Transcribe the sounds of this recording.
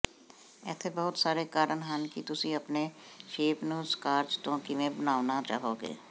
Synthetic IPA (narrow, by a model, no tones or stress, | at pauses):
ɛ̰ːt̪ʰebɐɦʊt̪saːɾekaːɾənɦaːnkit̪ʊsiɐpneʃeːpnuːskaːɾd͡ʒt̪õːkimẽbɐnaːʋnat͡ʃa̰ːɦoːɡḛː